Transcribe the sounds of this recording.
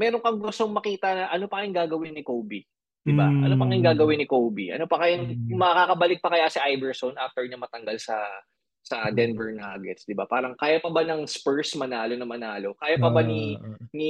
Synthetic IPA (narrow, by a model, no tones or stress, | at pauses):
mɛːɾoŋkɐŋɡʊst̪oŋmɐkiːt̪ɐnɐʔɐno̞pɐɐɪŋɡaːɡɐwɪnːɪkowbi | d̪̥ɪbaʔɐ̰nopɐŋɪŋɡaːɡɐwɪnːɪkobiʔɐ̰no̞pɐkɐjaŋmɐɐkakɐbɐlɪk̚pɐkɐjasɐʔajbɛɹsonʔaft̪ɛɹɲɐmɐt̪ɐŋɡalsɐ | sɐd̪ɛnvɛɹnaːɡɛ̰t̪sd̪ɪba̰paːɾɐŋkaːjapɐbanɐŋspɛɹsmɐnaːlo̞nɐmɐnaːlo̞kaːjapɐbaninɪ